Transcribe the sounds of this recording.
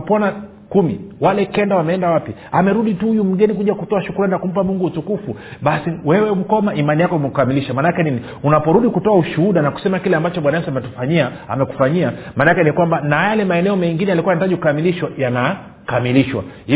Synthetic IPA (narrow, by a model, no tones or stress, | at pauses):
pɔna | kumḭwalɛkɛndawamɛɛndawapi | amɛɾuɗituhujum̩ɡɛnikuʄakutɔaʃukulaninakum̩p̬amuŋɡuːtukufuɓasiwɛwɛm̩kɔmaʔimanijakɔimɛkukamiliʃamanakɛnini | unapɔɾuɗikutɔauʃuhuɗanaku̥sɛmakilɛambat͡ʃɔɓwanajɛsamɛtu̥faɲia | a̰mɛku̥faɲiamanakɛnikwambanajalɛmaɛnɛɔmɛŋɡinɛjalikuwajanataʄiukukamiliʃwajana | kamiliʃwa̰